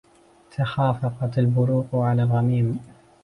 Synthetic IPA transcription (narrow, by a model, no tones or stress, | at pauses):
t̪ʰaxaːfɑqɑt̪albʊɾuːq̪ʕalaːlɣamiːm